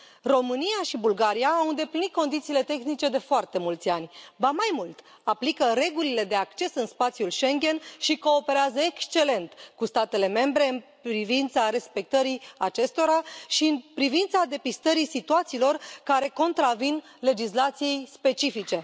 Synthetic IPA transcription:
ro̞mɨnijaʃibulɡaɾijaːwɨnd̪e̞plinit̪̚ko̞nd̪it̪siːle̞t̪e̞xnit͡ʃe̞d̪e̞foart̪e̞mult̪sʲanʲvamajmult̪ | aplikəɾe̞ɡulile̞d̪e̞akt͡ʃe̞sɨnspat̪sijulʃe̞ŋɡʲe̞nʃiko̞ːpe̞ɾeazəekst͡ʃe̞le̞nt̪kust̪at̪e̞le̞me̞mbɾe̞ɨnpɾivint̪saɾe̞spe̞k̚t̪əɾiat͡ʃe̞st̪o̞ɾaʃiɨnpɾivint̪sad̪e̞pist̪əɾisit̪uat̪siːlo̞rkaɾe̞ko̞nt̪ɾavin | le̞d͡ʒislat̪sije̞jspe̞t͡ʃifit͡ʃe̞

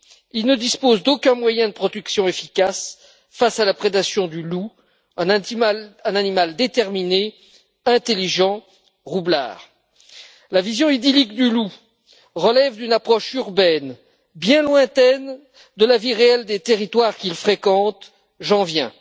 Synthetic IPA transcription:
ilnəd̪ispozd̪okʲɛ̃mwajɛ̃d̪əpχɔd̪yksjɔ̃efikas | fasalapχed̪asjɔ̃d̪ylu | ɛ̃nanimald̪et̪ɛʁmine | ɛ̃t̪eliʒɑ̃ | ʁubla̰ːʁ | lavizjɔ̃id̪ilikd̪ylu | ʁəlɛvd̪ynapχɔʃyʁbɛn | bjɛ̃lwɛ̃t̪ɛn | d̪əlaviʁeɛld̪et̪eʁit̪waʁkʲilfχekɑ̃t̪ | ʒɑ̃vjɛ̃

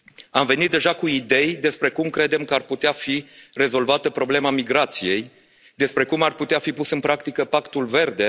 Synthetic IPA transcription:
amve̞nit̪̚d̪eʒakuid̪e̞jd̪e̞spɾe̞kumkɾe̞d̪e̞mkəarput̪eafire̞zo̞lvat̪əpɾo̞ble̞mamiɡɾat̪sije̞j | d̪e̞spɾe̞kumarput̪eafipusɨnpɾakt̪ikəpakt̪ulve̞rd̪e̞

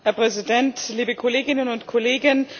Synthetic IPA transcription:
hɛɐpʁ̥ɛzidɛntliːbəkʰɔleːɡɪnənʊntkʰɔleːɡən

